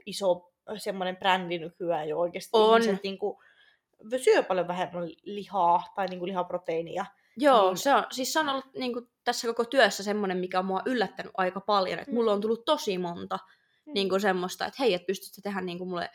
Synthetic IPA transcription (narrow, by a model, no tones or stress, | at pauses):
iso | semːonemprændinykyæjooikeːst̪onset̪niːŋku | ʋsyøpɑljoʋæhemːællihɑːt̪ɑiniːŋkulihɑprot̪einḭɑ | joːseonsiːsseonolːutniːŋku | t̪æsːækokot̪yœsːæsemːonemmikæommuɑʔylːæt̪ːæny̰ʔɑikɑpɑljo̰nḛt̪mulːoːnt̪ulːut̪t̪osimont̪ɑ | niːŋkusemːost̪ɑḛt̪heiæt̪̚pyst̪y̥t̪ːet̪eɦænniːŋkumulːḛ